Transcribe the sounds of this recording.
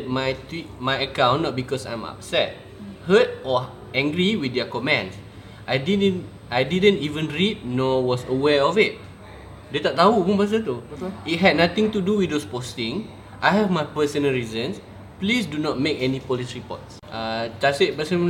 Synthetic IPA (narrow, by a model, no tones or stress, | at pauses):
t̚majtwit̚majəkãw̃nːɔt̚bikɔsã̰j̃ma̰p̚sɛt̚ | hət̚ɔ | ɛ̃ŋɡɹiwidɛkɔmɛ̃ns | ʔajdidə̃n | ajdidə̃ntivə̃nɹit̚nɔwɔsəwɛɔfit̚ | dɛt̪ɔʔ̚t̪aupũnbas̬ət̪̬uit̚ɦɛd̚nat̪ɪ̃ŋt̪uduwit̪̚dospostĩŋ | ʔajhɛvmajpəsə̃nəlɹizə̃ns | plisdunɔt̚mekɛnipɔlisɹipɔ̰t̚s | ad͡ʒaseʔ̚pəsə̃n